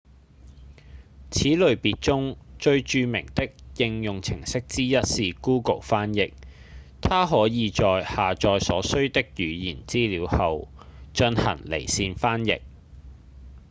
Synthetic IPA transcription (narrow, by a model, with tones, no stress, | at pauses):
t͡sʰiː˨˥lɵ˨ɥpiː˨t̚t͡sʊ˥ŋt͡ʃɵ˧ɥt͡ʃyː˧mɪ˨˩ŋt̪ɪ˥k̚jɪ˧ŋjʊ˨ŋt͡sʰɪ˨˩ŋsɪ˥k̚t͡siː˥jɐ˥t̚siː˨˧kuː˥ko˨˩wfaː˥njɪ˨k̚ | t̪ʰaː˥ɦɔː˨˥jiː˨˧t͡ʃɔː˨jhaː˨t͡ʃɔː˨jsɔː˨˥sɵ˥ɥt̪ɪ˥k̚jyː˨˧jiː˨˩nt͡siː˥liː˨˧whɐ˨w | t͡ʃɵ˧nhɐ̰˨˩ŋlḛ˨˩jsiː˧nfaː˥njɪ̰˨k̚